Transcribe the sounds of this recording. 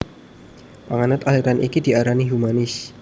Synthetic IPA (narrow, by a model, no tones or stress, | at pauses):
paŋanət̪aliɾanʔḭkid̪iaɾaniɦumanɪs